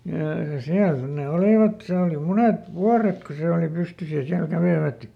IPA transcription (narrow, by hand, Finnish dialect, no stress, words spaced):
jɑˑ siæl sit ne oliˑʋɑt seː oli munet ʋuɑret ku se oli pystys jɑ siæl kæʋeˑʋæt